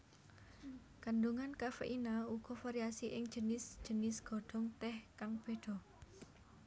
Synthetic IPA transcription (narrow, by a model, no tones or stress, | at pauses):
kanduŋankafḛʔinauɡ̥ɔ̤faɾiasiʔɪŋd͡ʒənɪsd͡ʒ̥ə̤nɪsɡ̥ɔɖ̪̥ɔŋt̪ɛhkaŋb̥e̤d̪̥ɔ